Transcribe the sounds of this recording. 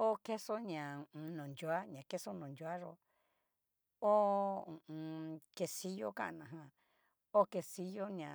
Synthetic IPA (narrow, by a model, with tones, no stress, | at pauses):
o˦ke˦so˦ɲã˨ũ˧nõ˨ndu˧˦a˦ɲã˨ke˦so˦nõ˨ndu˧˦a˦ʐo̰˧ | o˦ũ˨˧ke˧si˦jo˦ka̰˦˧nã˧˨ɦã˧ | o˦ke˧si˧jo˦ɲã˨